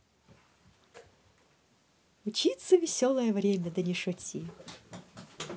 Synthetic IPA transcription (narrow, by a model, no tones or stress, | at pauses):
ʊt͡ɕit̪səvʲɪsʲolˠəjəvɾʲemʲəd̪ənʲɪʂɔtʲi